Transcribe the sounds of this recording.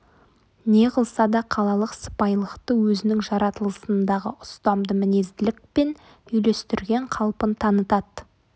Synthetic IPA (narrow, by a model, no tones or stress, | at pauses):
ne̞qəlˠsɑd̪ɑqʰɑlˠɑlˠəqsə̥pɑjlˠəqt̪əwɵzɪnɪŋʒɑɾɑt̪əlˠəsənd̪ɑʁəʔʊst̪ɑmd̪əmɪne̞zd̪ɪlɪk̚pe̞n | ʏjle̞st̪ɪɾɡʲe̞ɴqʰɑlˠpənt̪ʰɑnət̪ɑt̪